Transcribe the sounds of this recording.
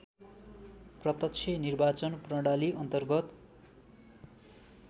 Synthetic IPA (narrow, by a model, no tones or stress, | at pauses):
prʌt̪ʌt͡sʰenirbat͡sʌnprʌɽaliʔʌnt̪ʌrɡʌt̪